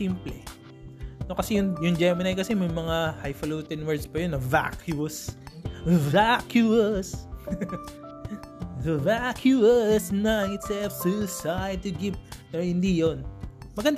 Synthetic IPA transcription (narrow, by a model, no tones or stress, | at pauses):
implɛ | nokɐsɛjʊŋjʊŋd͡ʒɛmɐnɐjkɐsɛmɐjmɐŋahajfɐlowt̪ɛnwɛɹd̪spɐjonːɐva̰kʰjʊɐs | vakjus | vakʰjuɐsnɐŋɪt̪sɛlfsusaj̚t̪ʊɡɪp̚nɛhɪnd̪ijon | mɐɡɐnd̪